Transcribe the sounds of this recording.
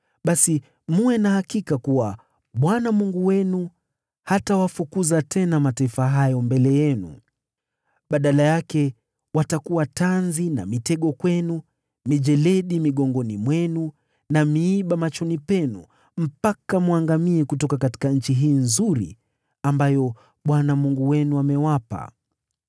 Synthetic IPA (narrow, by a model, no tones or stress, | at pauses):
ɓasi | muwɛnahakikakuwa | ɓwanamuŋɡuwɛnu | hatawafukuzatʰɛnamataifaɦajɔmbɛlɛjɛnṵ | ɓaɗalajakɛ | watakuwatanzina̰mitɛɠɔkwɛnu | miʄɛlɛɗimiɠɔŋɡɔnimwɛnu | namiːɓamat͡ʃɔnipɛnṵ | m̩pakamuaŋɡamiɛkutɔkakati̥kaɲ̩t͡ʃiɦiːnzuɾḭ | ambajɔ | ɓwanamuŋɡuwɛnuamɛwapa̰